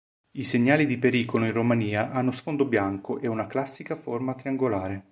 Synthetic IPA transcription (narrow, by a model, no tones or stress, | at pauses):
iseɲːaːlid̪ipeɾiːkoloinromaniːaʔanːosfond̪objaŋkoʔeunaklasːikaformat̪ɾiaŋɡolaːɾe